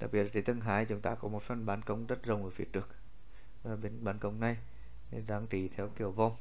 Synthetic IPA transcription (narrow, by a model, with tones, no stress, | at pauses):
ɗa̰˨˩k̚ɓi˨˩ət̚ːt̪ʰi˨˧˦t̪ɨ˧ŋɦaː˨˦jt͡ɕʊ˨˦ŋ͡mt̪aː˧kɔ˨˦mo˨˩t̚fə˧nɓaː˨˦nkə˧˦wŋ͡mzə˦˥t̚zə˨˩wŋ͡mʔəː˨˧˩fḭ˨˧˦t͡ɕɨ˨˩ək̚ː | ɓe˧nɓaː˨˦nkə˧wŋ͡mna˧j | ɗaː˨˦ŋt͡ɕi˧˩t̪ʰɛ˨˧˦wki˨˧˩əwva˧wŋ͡m